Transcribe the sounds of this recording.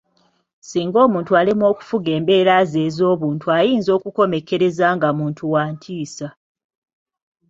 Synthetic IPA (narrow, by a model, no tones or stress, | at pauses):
siːŋɡo̞ːmuːntualimwo̞ːku̥fuɡe̞ːmbe̞ːɾaːze̞ːzo̞ːβuːntʰuajiːnzo̞ːkuko̞me̞ke̞ɾe̞zaːŋɡamuːntʰuwaːntʰiːsa